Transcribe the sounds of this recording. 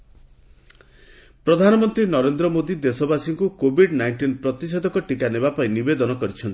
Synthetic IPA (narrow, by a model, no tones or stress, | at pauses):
pɾɔd̪ʱanɔmɔnt̪ɾinɔɾend̪ɾɔmod̪id̪esɔbasiŋkukobʱiɖnajɳʈinpɾɔt̪isɔd̪ɔkɔʈikanebapaĩnibed̪ɔnɔkɔɾit͡ʃʰɔnt̪i̥